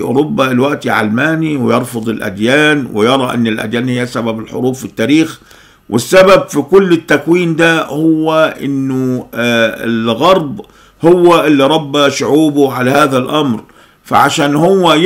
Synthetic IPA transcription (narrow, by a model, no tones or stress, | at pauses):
ʔʊ̰ɾʊbːaɪlwaʔt̪iʕa̰lmaːniwɪjɑɾˤfʊd̪ˤɪlʔa̰d̪jaːnwɪ̰jɑɾˤɑʔɪ̰nːɪlʔa̰d̪jaːnhɪjːasababɪlħʊ̰ɾˤuːfɪt̪ːaːɾiːx | wʔɪsːababfikʊlːɪt̪ːakwiːnd̪ahʊwːaʔɪ̰nːʊ | ɪ̰lɣɑɾˤb | hʊwːaʔɪlːiɾˤɑbːaʃʊʕuːbʊʕalahaːðalʔɑmɾ | fa̰ʕaʃaːnhʊwːæ